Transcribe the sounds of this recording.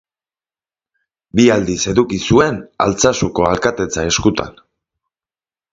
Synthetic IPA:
biald̪ise̞ðukisue̞na̰lt͡sasuko̞alkat̪et͡sae̞skut̪a̰n

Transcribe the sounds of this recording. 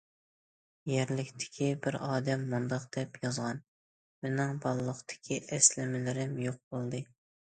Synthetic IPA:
jæɾlɪkʲt̪ʰɪ̥kʲʰibɪɾɑːd̪ɛmːund̪ɑqd̪̥ɛpjɑzʁɑn | menɪŋbɑlˠːəqt̪ʰɪ̥kʲʰiʔɛslɪmɪlɪɾɪmjoq̚b̥olˠd̪ɨ

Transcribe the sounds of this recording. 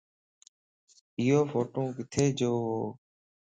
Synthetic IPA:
ɪːɦoːfoːʈõːkɪt̪ʰeːd͡ʒoːɦː

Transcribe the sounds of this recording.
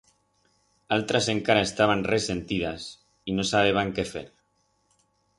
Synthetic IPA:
alt̪ɾase̞ŋkaɾaest̪aβ̞anresent̪ið̞as | inosaβ̞eβ̞aŋkefḛɾ

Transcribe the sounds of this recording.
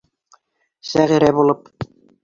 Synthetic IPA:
sæʁiɾæbulˠɤp̚

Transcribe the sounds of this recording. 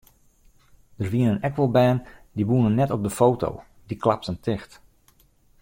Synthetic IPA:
d̥ərʋiənənɛkʋəlˠbɛːndiʋuənənːɛtɔb̚dəfowto̰w | diklap̚təntʰɪxt

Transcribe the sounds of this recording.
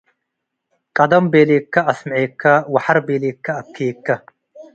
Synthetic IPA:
kʼɐd̪ɐmbeːleːkːɐʔɐsmɪʕeːkʰːɐwɐħɐɾbeːleːkːɐɐpkʰːeːkːɐ

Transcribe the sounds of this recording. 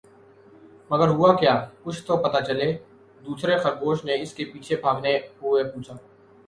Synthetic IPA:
mɐɡəɾɦʊakjaːkʊt͡ʃʰt̪opɐt̪at͡ʃɐleː | d̪uːsɾexəɾɡoːʃneɪskepiːt͡ʃʰebʱaːɡneɦuepuːt͡ʃʰaː

